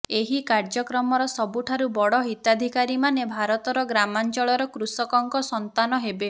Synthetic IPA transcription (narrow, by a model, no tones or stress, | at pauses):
eɦikaɾd͡ʒɔkɾɔmɔɾɔsɔbuʈʰaɾubɔɽɔɦit̪ad̪ʱikaɾimanebʱaɾɔt̪ɔɾɔɡɾamant͡ʃɔɭɔɾɔkɾusɔkɔŋkɔsɔnt̪anɔɦebe